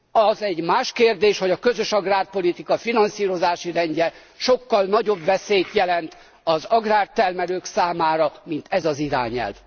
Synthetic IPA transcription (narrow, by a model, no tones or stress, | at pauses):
ɒzɛɟmaːʃkeːrd̪eːʃho̞ɟɒkø̞zøʃɒɡraːrpo̞lit̪ikɒfinɒnsiːɾo̞zaːʃirɛɲɟɛ | ʃokːɒlnɒɟo̞bʋɛsejt̪jɛlɛnt̪ | ɒzɒɡraːrt̪ɛrmɛløːksaːmaːɾɒmint̪ɛzɒziɾa̰ːɲɛ̰lv